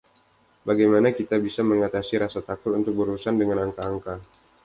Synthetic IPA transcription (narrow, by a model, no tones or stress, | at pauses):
baɡajmanakit̪abisaməŋat̪asiɾasat̪akʊt̪unt̪ʊk̚bəɾusandəŋanaŋkaːŋka